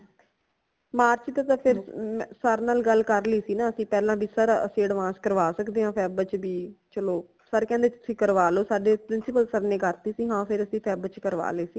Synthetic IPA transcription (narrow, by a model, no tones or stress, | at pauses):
maːɾt͡ʃt̪aːt̪ãːpʰɪɾmsəɾnaːlɡəlːkəɾliːsiːnãːəsĩːpɛːlãːbʱiːsəɾə̰sĩːəɽʋãːskəɾʋaːsəkd̪eːãːpʰɛːbt͡ʃbiːt͡ʃəloː | səɾkɛ̃ːnd̪eːt͡ʃʊsĩːkəɾʋaːloːsaːɖeːpɾɪnsɪpəlsəɾneːkəɾt̪iːsiːɦãːpʰɪɾəsĩːpʰɛːbt͡ʃkəɾʋa̰ːleːsiː